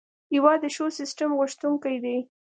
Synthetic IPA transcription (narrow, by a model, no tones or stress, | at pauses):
iwɑd̪əʃosɪsʈamɣʊʃt̪uŋkajd̪ej